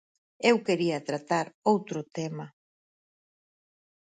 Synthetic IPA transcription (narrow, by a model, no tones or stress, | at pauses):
ewkeɾiɐt̪ɾat̪aɾowt̪ɾʊt̪ema